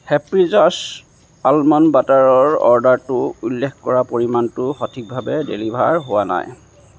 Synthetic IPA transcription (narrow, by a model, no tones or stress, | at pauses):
hɛpɹizas | almɔnbataɹɔɹɔ̰ɹdaɹtʊulːɛkkɔɹapoɹimantʊxɔtʰik̚bʱabɛdḛlibʱa̰ɹɦowana̰j